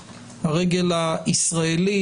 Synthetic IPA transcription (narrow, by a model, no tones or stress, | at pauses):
haʁeɡelaisʁaeli